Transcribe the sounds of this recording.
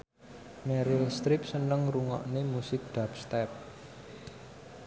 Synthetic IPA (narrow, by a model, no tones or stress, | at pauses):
mɛɾilst̪ɾip̚sənəŋruŋɔ̰ʔnemusɪk̚ɖ̪̥apst̪ɛp̚